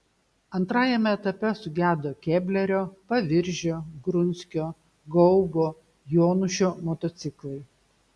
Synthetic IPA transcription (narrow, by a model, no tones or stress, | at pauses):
ɐnt̪ɾɑːjɛmʲɛɛt̪ɐpʲɛsʊɡʲæːd̪oːkʲeːbʲlʲɛɾʲoːpɐʋʲɪɾʲʒʲoːɡɾʊnʲsʲkʲoː | ɡɔʊboː | joːnʊʃʲoːmot̪ot̪sʲɪklˠɐɪ